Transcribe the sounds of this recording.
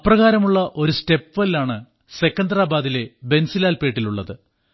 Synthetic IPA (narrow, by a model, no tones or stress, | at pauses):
ɐprɐɣaːɾɐmuɭːɐʔo̞ɾuste̞pʋɐlaːɳɨ | se̞kːɐnd̪raːbaːðile̞be̞nsilaːlpe̞ːʈːiluɭːɐðɨ